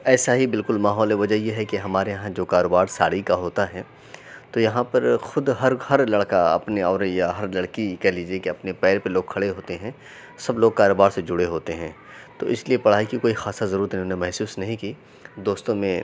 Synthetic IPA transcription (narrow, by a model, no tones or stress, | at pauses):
ɛːsaɦibɪlkʊlmaːɦɔːleʋɐd͡ʒəɦjeɦɛkiɦɐmaːɾejɐɦãd͡ʒoːkaːɾoːbaːɾsa̰ːɽikaɦoːt̪aɦɛː | t̪ojɐɦãpɐɾxʊd̪ɦɐɾhɐɾlɐɽkaɐ̰pneɔːɾjaɦɐɾlɐɽkikɛɦliːd͡ʒiekiɐpnepɛːɾpɐloːɡ̚kʰɐɽeɦoːt̪eɦɛ̃ | sɐbloːɡ̚kaːɾoːbaːɾsed͡ʒʊɽeɦoːt̪eɦɛ̃ː | t̪o̰ːʔɪsliepɐɽ̤aːikikoːixaːsazɐɾuːɾət̪ɦnẽmɛɦsuːsnɐɦĩkiː | d̪oːst̪õmẽ